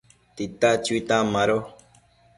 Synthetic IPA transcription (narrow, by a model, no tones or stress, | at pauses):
t̪it̪at͡ʃuit̪ãmãɾo